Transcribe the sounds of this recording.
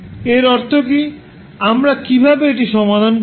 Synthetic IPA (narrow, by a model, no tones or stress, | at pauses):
eɾɔɾt̪ʰoki | amɾakibʱabeeʈiʃɔmad̪ʱon